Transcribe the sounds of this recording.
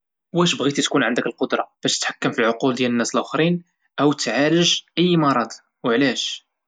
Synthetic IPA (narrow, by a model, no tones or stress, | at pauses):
wæʃbɣit̪it̪kunʕənd̪əkəlqod̪ɾˤɑb̥æʃt̪ə̥t̪ħḁkːəmfilʕoquld̪jælənːæsəlʔʊxɾin | ʔæwt̪ːʕaləʒʔəjːmɑɾˤɑd̪ | wʕlæʃ